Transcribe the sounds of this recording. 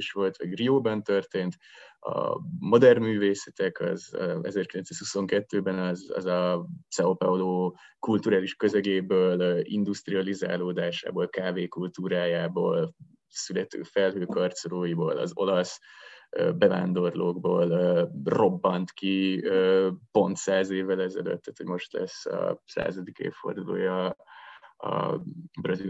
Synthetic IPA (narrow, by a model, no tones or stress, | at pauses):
ʃʋo̞lt̪ʋɒɟrioːbɒnt̪ørt̪eːnt̪ɒ̰mo̞d̪ɛrnmyːveːsɛt̪ɛkɒ̰zɒ̰ɛ̰zɛrkilɛnsaːshuso̞ŋkɛt̪ːøːbɛnɒzɒ̰zɒt̪sɛopɛoloː | kult̪uɾaːliʃkø̞zɛɡeːbøːlḭnd̪ust̪riɒliza̰ːloːd̪aːʃa̰ːboːlkaːveːkult̪uːɾaːjaːbo̰ːl | sylɛt̪ø̰ːfɛlɦøːkɒrt̪soloːiboːlɒ̰zo̞lɒsøːbɛva̰ːnd̪o̞rloːɡboːløːro̞bːɒnt̪kiøːpo̞nt̪saːzeːvːɛlɛzɛ̰lø̰t̪ːɛt̪hoɟmo̞ʃt̪lɛ̰sːɒ̰sa̰ːzɒd̪ikḛːffo̞̰rd̪ulo̰ːjɒ | brɒzi